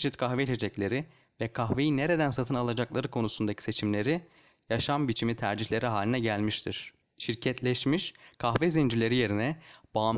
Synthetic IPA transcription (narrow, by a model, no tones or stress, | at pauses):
ʃit̪kʰaxvɛt͡ʃʰe̞d͡ʒɛclʲe̞ɾi | vɛkʰaxve̞jineɾe̞d̪ænsat̪ʰɯnalˠad͡ʒaklˠaɾɯkʰo̞nusund̪acʰi̥se̞t͡ʃʰimlʲe̞ɾi | jaʃambit͡ʃʰimit̪ʰæɾd͡ʒiçlʲe̞ɾiɦaːlʲinɛɟælʲmiʃt̪ʰiɾ̥ | ʃiɾcʰɛt̪ʰlʲɛʃmiʃkʰaxvɛzind͡ʒilʲe̞ɾije̞ɾinɛbam